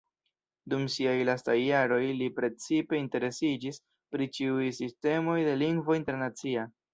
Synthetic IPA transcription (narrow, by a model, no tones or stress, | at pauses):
dumsiajlastajːaɾo̞jlipɾe̞t͡sipe̞inte̞ɾe̞sid͡ʒis | pɾit͡ʃiujsiste̞mo̞jde̞liŋɡvo̞inteɾnat͡sia